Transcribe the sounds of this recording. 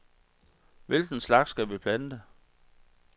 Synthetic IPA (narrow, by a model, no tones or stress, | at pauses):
ʋe̝lɡ̥n̩slɑ̈ɡ̥sɡ̥æʋib̥lænəd̥e